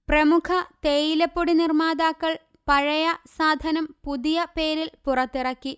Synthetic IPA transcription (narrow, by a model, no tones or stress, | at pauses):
prɐmukʰɐt̪ejilɐpːoɽinirmaːd̪aːkːɐɭ | pɐɻɐjɐsaːd̪ʱɐnɐmpuðijɐpe̞ːɾilpurɐt̪ːirɐkːi